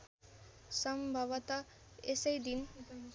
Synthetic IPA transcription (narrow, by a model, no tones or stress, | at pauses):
sʌmbʱabʌt̪a | esejd̪in